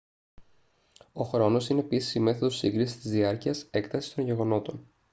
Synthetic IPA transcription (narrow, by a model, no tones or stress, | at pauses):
o̞xɾo̞no̞sine̞ːpisi̥sime̞θoðo̞siŋɡɾisi̥st̪izðiɐɾciɐse̞kt̪ɐsi̥st̪o̞ɲʝe̞ɣo̞no̞t̪o̞n